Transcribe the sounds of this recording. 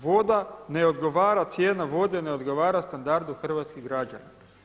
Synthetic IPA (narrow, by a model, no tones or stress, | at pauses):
ʋo̞d̪ane̞o̞d̪ɡo̞ʋaːɾat̪sje̞ːnaʋo̞d̪ene̞o̞d̪ɡo̞ʋaːɾast̪and̪aɾd̪uxr̩ʋat̪skiɣɡɾad͡ʒa̰na